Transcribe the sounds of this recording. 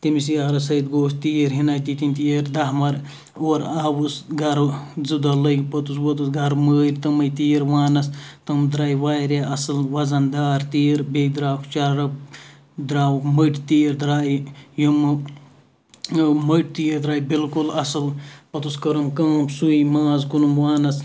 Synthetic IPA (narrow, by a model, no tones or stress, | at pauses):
t̪imisijaːɾɐsɐid̪ɡoːst̪iːɾɦinaːjt̪it̪inʲt̪iɾd̪ɐɦmɐɾ | oːɾaːwusɡɐɾzɨd̪ɐlɐjɡpɐt̪uswɐt̪usɡɐɾməːɾʲt̪ɐmɐjt̪iːɾʋaːnɐst̪ɐmd̪ɾaːiʋaːjɾeʔɐsɨlʋɐzɐnd̪aːɾt̪iːɾbeid̪ɾaːkt͡ʃɐɾɾɐb | d̪ɾaːwkməʈt̪iːɾd̪ɾaːijum | məʈ̚t̪iːɾd̪ɾaːibilkulɐsɨlpɐt̪uskɐɾɐmkɐːmsuimaːzkunumʋaːnɐs